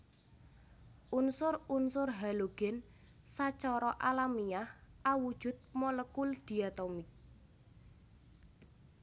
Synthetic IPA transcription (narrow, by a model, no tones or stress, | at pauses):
ʔunsʊrunsʊrɦaloɡ̥ɛn | sat͡ʃɔɾɔʔalamiahawud̥ʒ̥ʊ̤t̪̚mɔləkuld̪̥i̤at̪ɔmɪk̚